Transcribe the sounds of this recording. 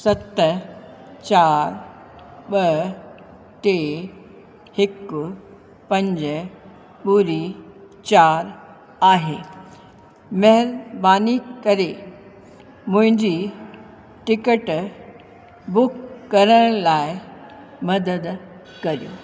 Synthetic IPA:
sɐt̪ | t͡ɕaːɾ | ɓɐ | ʈe | hɪkʊ | pɐ̃ɲd͡ʑə | ɓuɾi | t͡ɕaːɾ | aːɦeː | mɐɦɪɾbaːnikɐɾe | mʊ̃ɦɪ̃ɲd͡ʑi | ʈɪkəʈ | bʊkːɐɾəɽ̃laːɪ | mɐd̪əd̪ | kɐɾijoː

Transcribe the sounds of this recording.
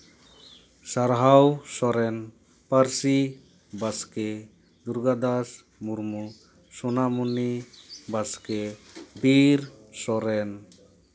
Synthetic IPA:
saɾɦawsɔɾɛn | paɾsi | baskɛ | d̪uɾɡad̪as | muɾmu | sunamunibaskɛbiɾsɔɾɛn

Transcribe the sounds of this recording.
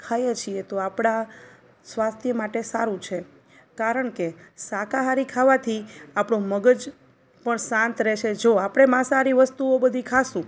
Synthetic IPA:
kʰajet͡ʃʰiet̪oapɽ̃a | sʋast̪ʰjəmaʈesaɾũt͡ʃʰe | kaɾəɳkesakaɦaɾikʰaʋat̪ʰiapɳõməɡəd͡ʒ | pəɳsãnt̪ɾɛt͡ʃʰed͡ʒoapɽ̃emãsaɾiʋəst̪uobəd̪ʱikʰasũ

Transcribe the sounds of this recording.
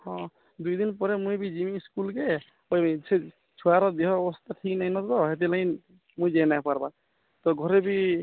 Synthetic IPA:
hɔ̃ | d̪ujd̪inpɔɾemuibid͡ʒimiːskulke | ose | t͡ʃʰuaɾɔd̪eɦɔːbɔst̪aʈʰiknaĩnɔt̪t̪ɔɦet̪̬ilãĩ | muid͡ʒejnajpaɾba | t̪ɔɡʱɔɾebʱi

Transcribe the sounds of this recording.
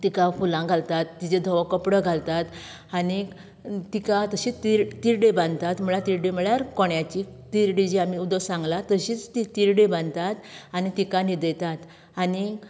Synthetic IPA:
t̪ikafulãɡʱalt̪at̪ːid͡ʑed̪ʱəʋakəpɽəɡʱalt̪at̪ | ani | t̪ikat̪əɕiːt͡st̪iɾt̪iɾɖebãnd̪t̪at̪m̤əɭat̪iɾɖeməɭjaɾkɔɳjat͡ɕit̪iɾɖid͡ʑiamiud̪əsãŋɡlat̪əɕiːt͡st̪it̪iɾɖebãnd̪t̪at̪añit̪ikanid̪əjt̪at̪ | ani

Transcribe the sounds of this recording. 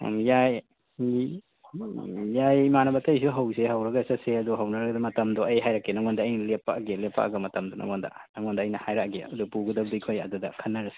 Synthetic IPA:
mjaj | jajmanabɐtajsuɦawseɦawɾaɡasaseɐd̪ɔɦawnaɾaɡdɐmɐtɐmdɔɐjɦajɾakenaŋɡɔndaːjnalepːaʔɡelepa̰ʔɡɐmɐtɐmdɔnʔa̰ŋɡɔnda̰naŋɔndaɐjnahajɾaɡeɐdupuɡudab̚dɯjkʰɔja̰duda̰kʰanːaɾase̥

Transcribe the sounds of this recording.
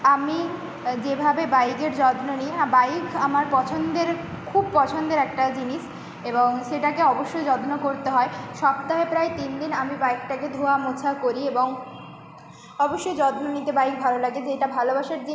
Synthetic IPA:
ami | d͡ʑebʱabebajkeɾd͡ʑɔd̪noniabajkʰamaɾpɔt͡ɕʰond̪eɾ | kʰub̚pɔt͡ɕʰond̪eɾɛk̚ʈad͡ʑiniʃ | eboŋʃeʈakeɔboʃːojd͡ʑɔd̪nokoɾt̪eɦɔeʃɔb̚t̪aɦepɾaet̪ind̪inamibaik̚ʈaked̪ʱoamot͡ɕʰakoɾieboŋ | ɔboʃːojd͡ʑɔd̪nonit̪ebajk̚bʱalolaɡeeʈabʱalobaʃaɾd͡ʑi

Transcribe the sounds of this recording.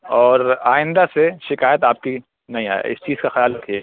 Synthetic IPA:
ɔːɾaːɪ̃nd̪aseʃɪkaːjət̪aːp̚ki | nɐɦĩa̰ːjḛɪ̰st͡ʃiːz̥kaxɪjaːlɾɐkʰie

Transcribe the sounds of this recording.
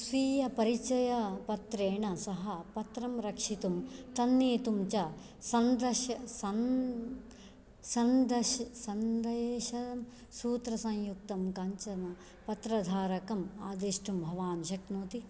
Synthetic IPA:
sʋiːjɐpɐɾit͡ʃɐjɐpɐt̪ɾeːɳɐsɐɦɐpɐt̪ɾɐmɾɐkʂit̪umt̪ɐnːeːt̪umt͡ʃɐ | sɐnd̪ɐʃɐsɐn | sɐnd̪ɐʃsɐnd̪ɐjeːʃɐɐm | suːt̪ɾɐsɐ̃ŋjuk̚t̪ɐmkɐɲt͡ʃɐnɐ | pɐt̪ɾɐd̪ʱaːɾɐkɐmaːd̪eːʂʈumbʱɐʋaːnʃɐknuːt̪i

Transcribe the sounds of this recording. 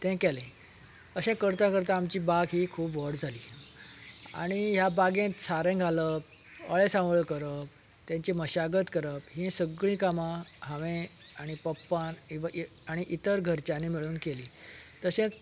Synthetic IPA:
t̪ɛ̃kɛlẽ | əɕẽkəɾt̪ãkəɾt̪aːmt͡ɕiːbaɡɦiːkʰuːpʋəɽd͡zʱaliː | a̰ɽ̃iɦjabaɡẽt̪saɾɛ̃ɡʱaləp̚ | əɭesãɭəkəɾəp̚ | t̪jãɲt͡ɕiməɕaɡət̪kəɾəpɦĩsəɡɭĩːkamãɦaʋẽ | aɽ̃ipəpːaniʋaʔ | aɽ̃iʔit̪əɾɡʱəɾt͡ɕanemiɭuːnkeliːt̪əɕẽt͡s

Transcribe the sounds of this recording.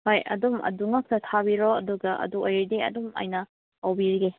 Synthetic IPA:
hojɐ̰dumɐ̰duŋɐk̚tɐtʰabiɾoɐduɡɐʔɐ̰duojɾdiɐ̰dumɐ̰jnɐ | ɐwbiɾiɡe

